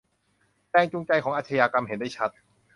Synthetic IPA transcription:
t͡ɕɛː˧ŋt͡ɕu˧ŋt͡ɕa˧jkʰɔː˩˦ŋʔaː˧˩t̪ʰa˧jaː˧ka˧mhe˨˩˦ndaː˥˩jt͡ɕʰa˦˥t̪̚

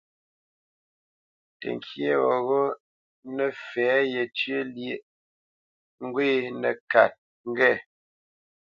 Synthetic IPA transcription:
tə̰˨ŋ˨kʰje˦ɣɔ˨ɣɔ˦ | nɛ˨fɛ˨˦jɛ˨tɥe˦lje˦˨ʔ | ŋ̩˦ɡwe˦nə̰˨ka˨t̚ | ŋ˦ɡɛ˦˨

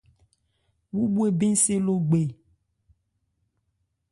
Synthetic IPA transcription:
wu˦bu˦e˨be˦se˦lo˦ɡ͡be˨

